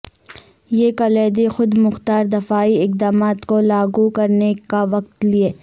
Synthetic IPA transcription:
jeːkɐleːd̪exʊd̪mʊxt̪aːɾd̪ɐfaːiɪq̚d̪aːmaːt̪kolaːɡukɐɾnekaʋɐq̚t̪lieː

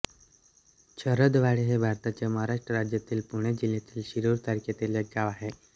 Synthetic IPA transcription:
t͡ɕʰəɾəd̪ʋaɭiɦebʱaɾt̪at͡ɕjaməɦaɾaʂʈɾəɾad͡ʑjat̪iːlpuɽ̃ed͡ʑilːet̪iːlɕiɾuɾt̪aɾket̪eljeɡaʋaɦe

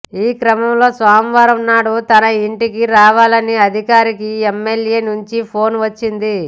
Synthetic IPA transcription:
iːkɾɐmɐmlo̞ːsʋaːmiʋaːɾɐmnaːɽut̪ɐnɐiɳʈikiɾaːʋaːlɐniɐd̪ʱikaːɾikiemːeljeːnuɲt͡ʃipʰo̞ːnʋɐt͡ʃːind̪i

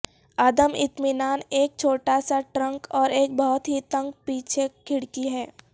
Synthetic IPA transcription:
aːd̪əmɪ̰t̪mɪnaːneːk̚t͡ʃʰoːʈasaʈɾə̃ŋkɔːɾeːk̚bɔɦʊt̪ɦit̪ə̃ŋɡ̚piːt͡ʃʰekʰɪɽkiɦɛː

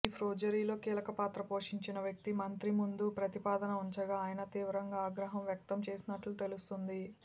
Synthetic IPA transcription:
iːpʰɾoːd͡ʒɐɾiːlo̞ːkiːlɐkɐpaːt̪ɾɐpo̞ːʂiɲt͡ʃinɐʋjɐk̚t̪imɐnt̪ɾimund̪upɾɐt̪ipaːd̪ɐnɐuɲt͡ʃɐɡaːjɐnɐt̪iːʋɾɐŋɡaːɡɾɐɦɐmʋjɐk̚t̪ɐmt͡ʃe̞ːsinɐʈlut̪e̞lust̪und̪i

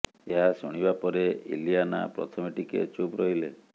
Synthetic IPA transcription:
eɦasɔɽ̃ibapɔɾeḭlijana̰pɾɔt̪ʰɔmiʈikḛt͡ʃubɾɔɦile

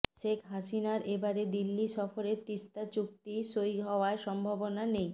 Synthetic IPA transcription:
ʃekʰɦaʃinaɾebaɾed̪ilːiʃɔfoɾet̪ist̪at͡ɕuk̚t̪iʃojɦɔoaʃɔmbʱabonanej

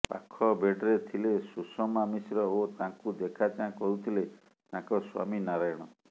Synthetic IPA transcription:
pa̰kʰɔbeɖɾet̪ʰilesusɔmamisɾɔot̪ãkud̪ekʰat͡ʃãkɔɾut̪ʰile | t̪ãkɔswa̰minaɾajɽ̃ɔ

